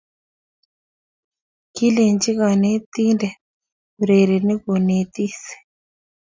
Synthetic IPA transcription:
ki˦le˨nd͡ʒi˦ka˨ne˦t̪i˦ndɛ˨ | ɾe˨ɾe˨ni˦ko˨ne˨t̪i˦si̥˨

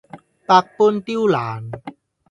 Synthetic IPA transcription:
pa˧k̚pu˧˥nt̪i˥wlaː˩˦n

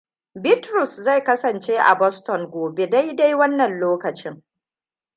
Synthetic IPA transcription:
bɪ˦tɾʊ˨sza˦˨jkɐ˦sɐ˨nt͡ʃeː˦ʔa̰˨bɔ˦stɔ˨ŋɡoː˨be˦da˦jda˦jwɐ˦nːɐ˨nloː˦kɐ˨t͡ʃɪ˦ŋ

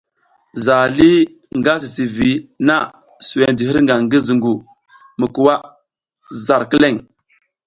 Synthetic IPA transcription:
za˨li˦ | ŋɡa˦s̬i˨si˨vi˨˦na˦˨ | su˨we˨ndi˨hə˦ɾŋɡa˨ŋɡə˦zu˨ŋɡu˨ | mə˨ku˨wa˦ | za˨ɾkə˦le˦˨ŋ

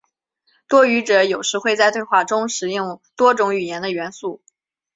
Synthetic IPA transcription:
t̪wɔ˥y˧˥ʈ͡ʂɤ˧˩˦jo˨˩ʊʂɻ̩˧˥xwe˥˧ɪt͡sa˥˧ɪt̪wɪxwa˥˩ʈ͡ʂʊ˥ŋʂɻ̩˧˥i˥˩ŋt̪wɔ˥ʈ͡ʂʊ˧˥ŋy˨˩jɛ˧˥nd̪ə˧ɥɛ˧˥nsu˥˩

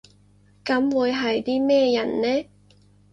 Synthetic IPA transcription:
kɐ˨˥mwuː˨˧jɦɐ˨jt̪iː˥mɛː˥jɐ˨˩nːɛː˥

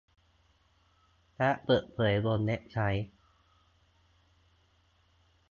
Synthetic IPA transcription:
pʰɛ˦˥ʔpɤː˨˩t̪̚pʰɤː˩˦jbo˧nːe˦˥ʔ̚t͡ɕʰa˦˥j

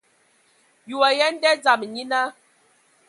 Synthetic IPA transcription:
ju˨a˨jɛ˦n˦dɛ˦d͡za˨m˨ɲi˦na˦

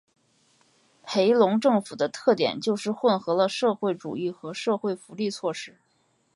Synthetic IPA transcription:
pʰe˧˥ɪlʊ˧˥ŋʈ͡ʂɤ˥˩ŋfu˨˩d̪ə˦t̪ʰɤ˥˩t̪jɛ̰˨˩nt͡ɕjo˥˧ʊʂɻ̩˥˧xwə˥˩nxɤ˧˥lə˧ʂɤ˥˧xwe˥˩ɪʈ͡ʂṵ˨˩i˥˩xɤ˧˥ʂɤ˥˧xwe˥˩ɪfu˧˥li˥˧t͡sʰwɔ˥˧ʂɻ̩˥˩

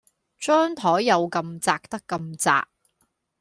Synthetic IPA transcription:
t͡ʃœː˥ŋt̪ʰɔː˨˥jjɐ˨˧wkɐ˧mt͡saː˧k̚t̪ɐ˥kːɐ˧mt͡sa̰ː˧k̚

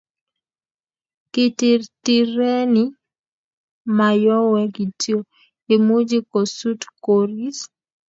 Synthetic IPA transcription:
ki˦ti˨rti˨ɾe˦ni˦ | ma˨jɔ˦wɛ˦ɡi˨tjo˦ | e˨mu˦d͡ʒi˦ko˨su˦tkoɾi˦s

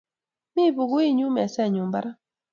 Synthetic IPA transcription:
mi˦bu˨ɡwi˦ɲu˦mɛ˨sɛ˦˨ɲu˨mba˦ɾa˦

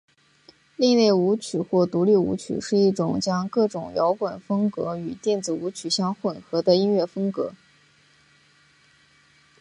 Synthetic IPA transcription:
li˥˧ne˥˩ɪu˧˥t͡ɕʰy˨˩xwɔ˥˩t̪u˧˥li˥˩ṵ˧˥t͡ɕʰy̰˨˩ʂɻ̩˥˧i˥˩ʈ͡ʂʊ˨˩ŋt͡ɕjɑ˥ŋkɤ˥˩ʈ͡ʂʊ˨˩ŋjɑ˧˥ʊkwa˨˩nfɤ˥ŋkɤ̰˧˥y˨˩t̪jɛ˥˩nt͡sɹ̩˨˩u˧˥t͡ɕʰy˨˩ɕjɑ˥ŋxwə˨˩nxɤ˧˥d̪ə˧i˥nɥɛ˥˩fɤ˥ŋkɤ˧˥

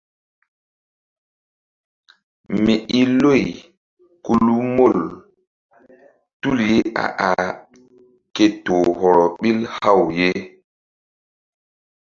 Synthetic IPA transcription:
mi˨ʔi˦lo˦˨j | ku˨lu˦mo˦˨l | tu˦lje˦ʔa̰˨ʔa˨ | ke˨toː˨hɔ˨ɾɔ˨ɓi˦lha˦˨wje˦

